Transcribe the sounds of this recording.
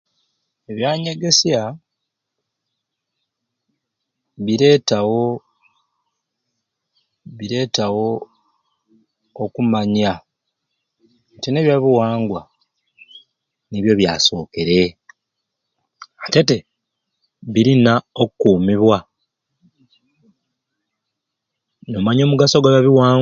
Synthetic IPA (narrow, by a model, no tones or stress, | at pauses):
eβjaːɲe̞ɡe̞sja | βiɾe̞ːtawo̞ | βiɾe̞ːtawo̞ | okumaɲa | tineβjaβiwaːŋɡwa | niβjo̞βjaːso̞ːke̞ɾe̞ | ate̞te | βiɾinaokkuːmiβwa | nomaɲo̞ːmuɡasoɡaβjaβiwaː